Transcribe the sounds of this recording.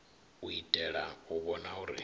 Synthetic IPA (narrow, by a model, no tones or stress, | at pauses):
uitʼɛɺauβɔnauɾḭ